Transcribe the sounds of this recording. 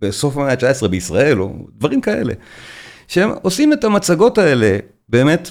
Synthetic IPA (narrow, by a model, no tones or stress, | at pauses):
beso̞fameat͡ʃaesʁebeisʁae̞lo̰d̪vaʁimkae̞̰le̞̰ʃeemosimetamat͡saɡo̞tae̞le̞ | be̞ːme̞t